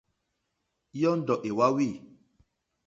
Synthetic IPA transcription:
jɔ˦n̩˦dɔ˨ʔe˨wa˦wi˦˨

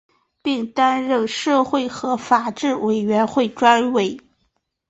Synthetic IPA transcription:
pi˥˩ŋt̪a˥nɻə˥˧nʂɤ˥˧xwe˥˩ɪxɤ˧˥fa˨˩ʈ͡ʂɻ̩˥˩we˨˩ɪɥɛ˧˥nxwe˥˩ɪʈ͡ʂwa˥nwe˧˥˩ɪ

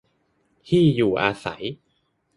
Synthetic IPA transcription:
t̪ʰiː˥˩juː˨˩ʔaː˧sa̰˩˦j

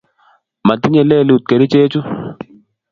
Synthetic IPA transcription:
ma˨t̪i˦ɲɛ˨lɛ˦˨li˨u˨t̪̚ke˨ɾi˦t͡ʃe˦t͡ʃu˦

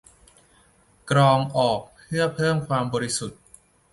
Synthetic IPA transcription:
kɾɔː˧ŋʔɔː˨˩k̚pʰɯ˥˩ɐpʰɤː˥˩mkʰwaː˧mbɔː˧ɾi˦˥su˨˩t̪̚

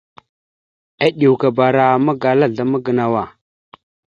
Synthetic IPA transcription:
a˦ɗi˨wka˨ba˨ɾa˨ma˦ɡa˨la˦ɮa˨mə˦ɡə˨na˨wa˨

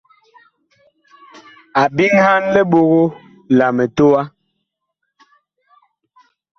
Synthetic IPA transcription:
a˨bi˦ŋha˦nlɛ˦ɓo˨ɣo˦ | la˨mɛ˨to˦wa˦

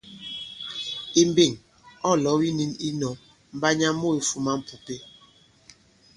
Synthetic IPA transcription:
i˨m˦be˨ŋ | ɔ˦˨lɔ˨˦wi˦ni˦ni˦nɔ˨˦ | m̩˦ba˦ɲa˦mo˦e˨fu˦ma˦m̩˨pu˨pe˦

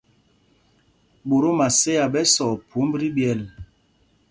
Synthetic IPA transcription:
ɓo˨ɾo˦ma˨se˦ja˨ɓɛ˦sɔ˨pʰu˨˦m˦bɾi˦bjɛ˨l

